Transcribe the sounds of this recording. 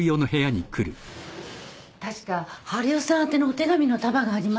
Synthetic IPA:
jo̞ːno̞ɦe̞jaɲ̟ikʰɯ̟ɾɯ̟ | t̪aɕi̥kahaɾɯ̟osãɰ̃t̪e̞noːt̪e̞ɡamʲino̞t̪abaɡaːɾʲima

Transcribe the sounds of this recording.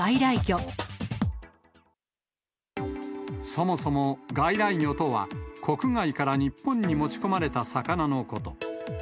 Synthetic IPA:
aiɾaiɡʲo | so̞mo̞so̞mo̞ɡaiɾaiɲo̞t̪o̞βa̰kʰo̞kɯ̟ŋaikaɾaɲ̟ipːõ̞ɲ̟ːimo̞t͡ɕi̥ko̞maɾe̞t̪asakanano̞ko̞t̪o̞

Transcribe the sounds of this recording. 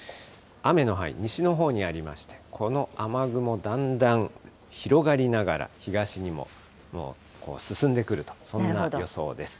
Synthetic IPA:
ame̞no̞ɦaḭɲ̟iɕino̞ɦo̞ːɲ̟iaɾʲima̰ɕi̥t̪e̞̥kʰo̞no̞amaɡɯ̟mo̞d̪ãnd̪ãɰ | çiɾo̞ɡaɾʲinaɡaɾa̰çiɡaɕiɲ̟imo̞̰ | mo̞̰ː | ko̞̰ːsɨsɨ̃nd̪e̞kɯ̟ɾɯ̟t̪o̥sõ̞nːajo̞so̞̰ːd̪e̞sɨ̥

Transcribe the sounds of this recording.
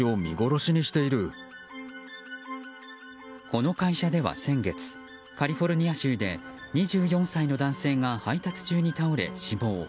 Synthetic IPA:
o̞mʲḭɡo̞ɾo̞ɕiɲ̟iɕi̥t̪e̞iɾɯ̟ | ko̞no̞kaiɕad̪e̞βa̰sẽ̞ŋɡe̞t͡sɨ̥ | kaɾʲiɸo̞ɾɯ̟ɲ̟iaɕɨːd̪e̞̰ɲ̟iʑɨːjõ̞ɰ̃saino̞d̪ãɰ̃se̞ːŋahait̪at͡sɨ̥t͡ɕɨːɲ̟it̪aoɾe̞̰ɕibo̞ː

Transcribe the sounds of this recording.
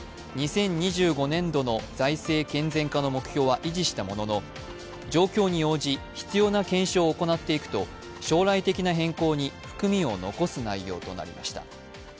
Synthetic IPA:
ɲ̟isẽ̞ɲ̟ːiʑɨːɡo̞nẽ̞nd̪o̞no̞d͡zaise̞ːkẽ̞nd͡zẽ̞ŋkano̞mo̞kɯ̟̥çʲo̞ːβaʔiʑiɕi̥t̪amo̞no̞no̞ | d͡ʑo̞ːkʲo̞ːɲ̟io̞ːd͡ʑiçi̥t͡sɨjo̞ːnakẽ̞ɰ̃ɕo̞ːko̞nat̪ːe̞ikɯ̟̥t̪o̞ | ɕo̞ːɾait̪e̞kʲinaɦẽ̞ŋko̞ːɲ̟iɸɯ̟̥kɯ̟mʲĩo̞no̞̰ko̞sɨnaijo̞̰ːt̪o̞̰na̰ɾʲḭma̰ɕi̥t̪a̰

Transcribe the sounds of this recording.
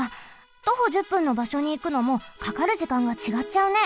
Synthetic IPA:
a | t̪o̞ɦo̞ʑɨpːɯ̟̃nːo̞baɕo̞ɲ̟iːkɯ̟no̞mo̞kakaɾɯ̟ʑikãŋɡat͡ɕiɡat͡ɕaɯ̟ne̞

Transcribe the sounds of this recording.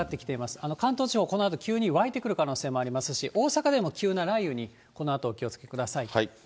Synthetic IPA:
at̪ːekʲi̥t̪e̞imasɨ̥ano̞kãnt̪o̞ːt͡ɕiho̞ːko̞no̞at̪o̞kʲɨːɲ̟iβait̪e̞kɯ̟ɾɯ̟kano̞ːse̞ːmo̞aɾʲimasɨɕiʔo̞ːsakad̪e̞mo̞kʲɨːnaɾaijɯ̟ɲ̟i | ko̞no̞at̪o̞ːkʲio̞t͡sɨ̥ke̞̥kɯ̟d̪asaii

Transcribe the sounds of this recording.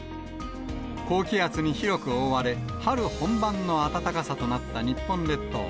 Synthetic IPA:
ko̞ːkʲiat͡sɨɲ̟içiɾo̞kɯ̟oβaɾe̞haɾɯ̟hõ̞mbãnːo̞at̪at̪akasat̪o̞nat̪ːaɲ̟ipːõ̞nd̪e̞t̪ːo̰ː

